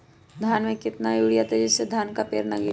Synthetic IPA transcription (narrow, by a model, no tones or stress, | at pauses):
d̪ʱaːnmẽkɪt̪najuːɽijat̪ed͡ʒɪsːed̪ʱaːnkapeːɾnaɡi